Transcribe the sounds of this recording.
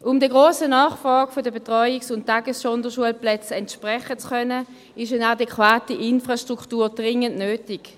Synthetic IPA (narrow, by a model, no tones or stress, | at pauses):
ʔʊmdiəɡʁoːsənaːχfʁɑːɡfodəbetʁɔʏiksʊnttːaɡəssɔndəʃuəlplɛt͡sɛntʃpʁɛχət͡skœnə | ɪʃanadɛkwaːtiʔɪnfʁaʃtʁ̥uktuːɐd̥ʁɪŋəntnøːtɪɡ̥